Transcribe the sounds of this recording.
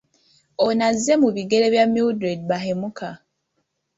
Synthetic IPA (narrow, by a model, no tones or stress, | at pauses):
onazːe̞muβiɡe̞ɾe̞βjamildɾed̚βahemukʰa